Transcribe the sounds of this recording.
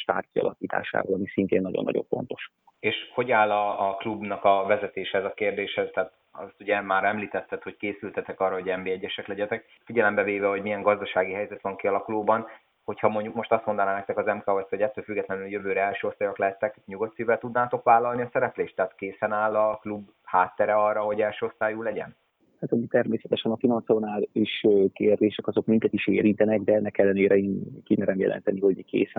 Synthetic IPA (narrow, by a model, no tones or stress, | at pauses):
ʃt̪a̰ːrkiɒ̰lɒkiːt̪a̰ːʃa̰ːvɒlɒmisint̪eːnːɒɟonːɒ̰ɟo̞̰ɱfo̞̰nt̪o̞ʃu | eːʃho̞ɟaːlːɒːklubnɒkɒvɛzɛt̪eːʃɛɛzɒkeːrd̪eːʃɛt̪ɛːt̪ | ɒ̰st̪uɟɛmaːɾɛmliːt̪ɛt̪ːɛt̪ho̞ckeːsylt̪ɛt̪ɛkɒrːɒɦo̞ɟɛmbeːɛɟːɛʃɛklɛɟɛt̪ɛk̚ | fiɟɛlɛmbɛveːvɛho̞ɟmijɛŋɡɒzd̪ɒʃaːɡiɦɛjzɛt̪ʋɒŋkiɒlɒkuloːbɒn | ho̞chɒmo̞ɲɟukmo̞ʃt̪ɒst̪mo̞nd̪ɒnaːnɛk̚t̪ɛkɒzɛmkaːost̪hoɟɛt̪ːøːlfyɡːɛt̪lɛnyljøvøːɾɛɛlʃøːost̪aːjoklɛɦɛt̪ːɛkɲuɡo̞t̪sivɛlt̪ud̪naːt̪o̞kvaːlːɒlniɒsɛɾɛpleːʃt̪ːɛːt̪keːsɛnaːlːɒklub | haːt̪ːɛɾɛɒrːɒɦo̞ɟɛlʃøːo̞st̪aːjulɛɟɛ̰n | hat̪ɒmit̪ɛrmeːsɛt̪ɛʃɛnɒfinɒnt̪sonaːriʃkeːrd̪eːʃɛkɒzo̞kmiŋk̪ɛt̪iʃeːɾint̪ɛnɛɡd̪ɛɛnːɛkɛlːɛneːɾɛeːnkimɛɾɛmjɛ̰lʔɛ̰nt̪ɛniho̞ɟikḛːsɛ